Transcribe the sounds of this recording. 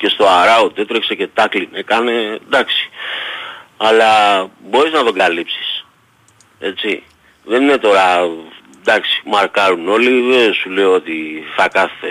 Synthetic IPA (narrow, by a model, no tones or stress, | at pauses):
ce̞st̪o̞aɾɐut̪e̞t̪ɾekse̞ce̞t̪ɐklinekɐne̞d̪ɐksi̥ | ɐlɐbo̞ɾiznɐðo̞ɡalipsi̥s | e̞t͡si | ðe̞nine̞t̪o̞ɾɐ | d̪ɐksi̥mɐɾkɐɾuno̞liðesule̞oo̞t̪iθɐkɐθːe